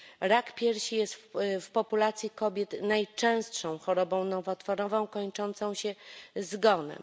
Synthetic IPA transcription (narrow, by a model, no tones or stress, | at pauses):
ɾakpʲjɛɾɕijɛst̪fpɔpulat̪sʲjikɔbʲjɛt̪najt͡ʂɛ̃w̃stʂɔ̃w̃xɔɾɔbɔ̃w̃nɔvɔt̪fɔɾɔvɔ̃w̃kɔɲt͡ʂɔnt̪sɔ̃w̃ɕɛzɡɔnɛ̰m